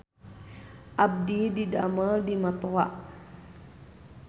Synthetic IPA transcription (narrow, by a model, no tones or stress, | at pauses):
ʔab̚didida̰mədimat̪oaʔ